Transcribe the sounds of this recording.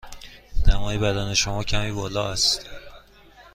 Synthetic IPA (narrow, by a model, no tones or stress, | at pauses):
næmɒːjebæd̪æːne̞ʃomɒːcʰæmiːbɒːlɒːæst̪